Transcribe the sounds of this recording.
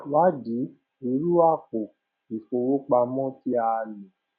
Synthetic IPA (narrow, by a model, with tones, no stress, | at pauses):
wa˦di˨˦ | i˧˦ɾu˦a˦˨ko˨ | i˨fo˧wo˦k͡pa˧mɔ̃˦ti˦a˧lĩ˨